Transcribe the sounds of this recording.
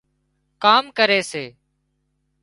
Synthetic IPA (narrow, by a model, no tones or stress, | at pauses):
kaːmkəɾeːseː